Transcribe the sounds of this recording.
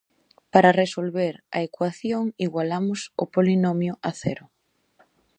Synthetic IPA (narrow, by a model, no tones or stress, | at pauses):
paɾaresolβeɾɐ̰ekwaθjoŋiɣwalamʊsʊ̰polinomjʊaθɛ̰ɾʊ